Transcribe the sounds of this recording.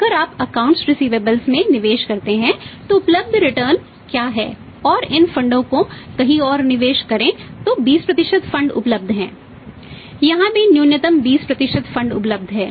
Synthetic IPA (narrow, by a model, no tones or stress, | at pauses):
ɐɡəɾaːpɐkãːʊ̃ɳʈsɾɪsiːʋeːbəlsmẽnɪʋeːʃkɐɾt̪eɦɛ̃t̪oʊpləb̚d̪ʱɾɪʈəɾn | kjaːɦɛ̰ː | ɔːɾɪnfɐ̃ɳɖõkokɐɦĩɔːɾnɪʋeːʃkɐɾẽt̪obiːspɾɐt̪ɪʃəd̪fɐ̃ɳɖʊ̰pləb̚d̪ʱɦɛ̰̃ː | jɐɦãmẽnjuːnɪt̪əmbiːspɾɐt̪ɪʃəd̪fɐ̃ɳɖʊ̰pləb̚d̪ʱɦɛː